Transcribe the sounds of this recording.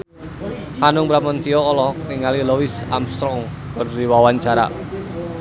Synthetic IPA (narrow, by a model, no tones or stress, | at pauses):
hanʊŋbɾamɔnt̪iɔːlɔhkniŋalilɔwisa̰mst̪ɾɔŋ | kɔnɾiwawaɲt͡ʃaɾa̰